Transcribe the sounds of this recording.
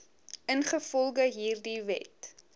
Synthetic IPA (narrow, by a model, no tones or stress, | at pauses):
ənχəfɔlˠɡəɦiːrdivɛ̰t